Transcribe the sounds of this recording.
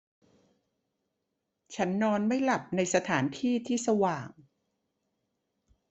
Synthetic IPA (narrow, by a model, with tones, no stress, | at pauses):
t͡ɕʰa˦˥nːɔː˧nma˥˩jla˨˩p̚na˧jsa˧t̪ʰaː˩˦nt̪ʰiː˥˩t̪ʰiː˥˩sa˧waː˨˩ŋ